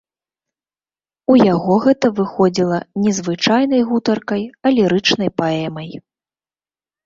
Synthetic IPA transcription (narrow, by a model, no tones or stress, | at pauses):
ujaɣɔɣɛt̪ɐvɨxɔd͡zʲilˠɐnʲɛzvɨt͡ʂajnɐjɣut̪ɐrkɐjɐlʲɛɾɨt͡ʂnɐjpaɛmɐj